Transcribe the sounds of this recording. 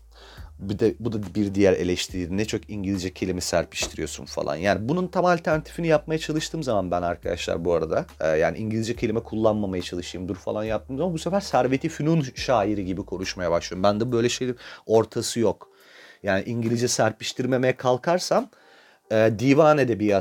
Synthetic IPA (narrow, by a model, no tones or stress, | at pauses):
bid̪ɛbud̪abiɾd̪ijæɾe̞̰lʲɛʃt̪ʰiɾiːd̪inɛt͡ʃʰokiɲɟilʲizd͡ʒɛcʰe̞lʲimɛsæɾpi̥ʃt̪ʰiɾijo̞sṵnfa̰lˠa̰njaːnibununt̪ʰamalʲt̪ʰæɾnat̪ʰi̥finijap̚majat͡ʃʰalˠɯʃt̪ʰɯːmzamanbænaɾkʰad̪a̰ʃlˠa̰ɾbuaɾad̪ajaːnḭʔiɲɟilʲizd͡ʒɛcʰe̞lʲimɛkʰulˠːanmamajat͡ʃʰalˠɯʃɯjɯmd̪uɾfa̰lˠanjap̚t̪ɯːmzamanbusɛfæɾsæɾve̞t̪ʰifynunʃaːjiɾiɟibikʰo̞ɾuʃmajabaʃlˠɯjɾumbænd̪ɛbø̞jlʲɛʃe̞j̪ino̞ɾt̪ʰasɯjok | jaːniʔiɲɟilʲid͡ʒɛsæɾpiʃt̪ʰiɾme̞mejɛkʰalˠkʰaɾsam | ɛːd̪iːvaːnɛd̪ɛbia